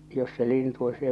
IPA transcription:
jos se lintu o s e

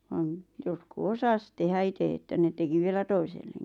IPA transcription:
ʋɑn jotku osɑs tehæ ite etːæ ne teki ʋielæ toiselːeŋkis

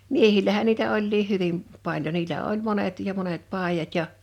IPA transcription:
miehilˑæhæn niːtæ olʲliːh̆ hyʋim pɑlʲjo niːlːæ olʲ monet jɑ monet pɑˑijɑt jɑ

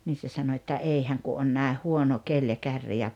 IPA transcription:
niː se sɑno etːæ ei hæŋ ku on næˑeh huono kelʲ jɑ kærːi jɑ

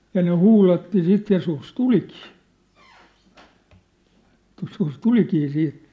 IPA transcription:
jɑ ne huːlɑtːi sit jɑ sus tulikiː joskus tulikiː siːt

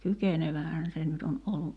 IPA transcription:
kykeneʋæhæn se nyt on olːu

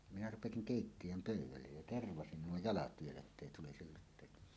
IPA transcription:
minæ rupesiŋ keˑitːij̆øm pøˑywˑælːej jæ terʋɑsin nuo jɑlɑt ʋielæ etːeˑi tulisil lutˑeˑitɑ

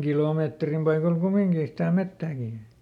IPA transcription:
kiloˑmeːtrim pɑikol kumiŋkiː sitæ metːæːkiˑ

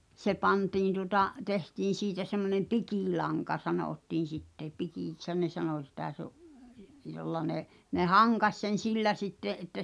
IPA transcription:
se pɑntiːn tuŏtɑ tehtiːn̞ siːtæ semːonem̆ pikiˑlɑŋkɑ sɑnoˑtːiːn̞ sitːe pikiˑkshæn ne sɑnoˑ sitæ se oʔ jolːɑ ne ne hɑŋkɑsʲ sen̞ silːæ sitːeʔ ʔetːæ

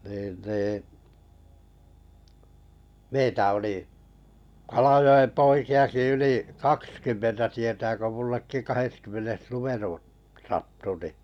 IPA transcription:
niːn niː meitæ oli kɑlɑjoem poikiɑki yliˑ kɑkskymːentæ tietæː ko mulːekːi kɑheskymːenes lumeru sɑtːu ni

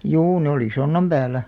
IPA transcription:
juː ne oli sonːɑm b̥æːlˑæ

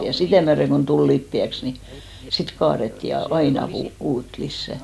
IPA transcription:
jɑ sitæˑ myæreŋ kon tul lipːiæks ni sit kɑːretːi jɑ ɑinɑ kuː uːt lisːæ

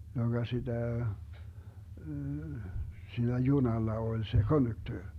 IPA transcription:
joɡ̊ɑ sid̥æ siːnæ junɑlːɑ olʲ se konduktøːr

